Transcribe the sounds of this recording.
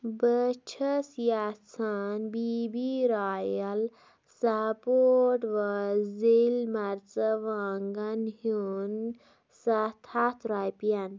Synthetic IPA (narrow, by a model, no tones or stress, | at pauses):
bət͡ʃʰəsjat͡sʰanbibiɾaːjɐl | sapoʈʋəzelmɐɾt͡səʋaŋɡɐnhun | sɐt̪ʰat̪ɾajpjan